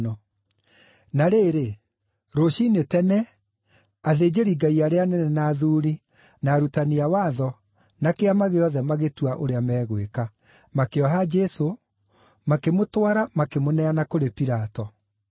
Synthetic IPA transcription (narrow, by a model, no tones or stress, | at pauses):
ɔ | naɾeːɾe | ɾoʃinetɛnɛ | aðed͡ʑeɾiɡaiaɾeanɛnɛnaːðuːɾi | naːɾutaniawaːðɔ | nakeamaɣeɔðɛmaɣetwaʔoɾeamɛːɣweka | makeɔɦad͡ʒɛso | makemotwaɾamakemonɛanakoɾepiɾatɔ